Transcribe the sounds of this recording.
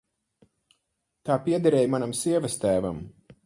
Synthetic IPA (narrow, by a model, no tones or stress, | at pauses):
t̪aːpiɛd̪aɾɛːjmanamsiɛvast̪æːvam